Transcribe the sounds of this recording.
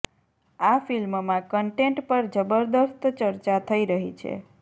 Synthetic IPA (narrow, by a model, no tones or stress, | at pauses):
afilmmãkəɳʈeɳʈpəɾd͡ʒəbəɾd̪əst̪t͡ʃəɾt͡ʃat̪ʰəiɾəɦit͡ʃʰḛ